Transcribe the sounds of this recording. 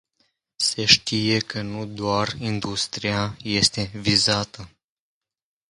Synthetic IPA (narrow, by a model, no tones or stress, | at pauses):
se̞ʃt̪ije̞kʰənud̪oarind̪ust̪ɾiaje̞st̪e̞vizat̪ə